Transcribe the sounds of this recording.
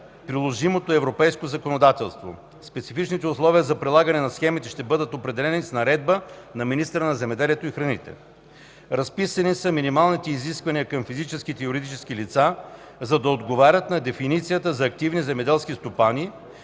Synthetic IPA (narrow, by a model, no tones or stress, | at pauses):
pɾilˠoʒimot̪oɛvɾopɛjskozɐkonod̪at̪ɛlˠst̪vo̰ | spɛt̪sifit͡ʃnit̪ɛʊslˠɔviəzɐpɾilˠaɡɐnɛnɐsxɛmit̪ɛʃt̪ɛbɤd̪ət̪opɾɛd̪ɛlɛnisnɐɾɛd̪̚bənɐminist̪ɾənɐzɛmɛd̪ɛliɛt̪oixɾɐnit̪ɛ̰ | ɾɐspisɐnisɐminimalˠnit̪ɛiziskvɐniəkɐmfizit͡ʃɛsk̟it̪ɛjʊɾid̪it͡ʃɛskilit̪sa | zɐd̪ɐod̪ɡovaɾʲət̪nɐd̪ɛfinit̪sijət̪əzɐːk̚t̪ivnizɛmɛd̪ɛlˠskist̪opani